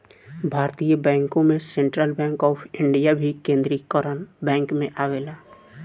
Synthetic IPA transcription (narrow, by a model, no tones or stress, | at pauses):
bʱaːɾt̪ijəbɛ̃ːŋkõmẽsẽɳʈɾəlbɛ̃ːŋkɔːpʰɪ̃ɳɖijabʱikẽːnd̪ɾikəɾənbɛ̃ːŋkmẽʔaːʋeːlaː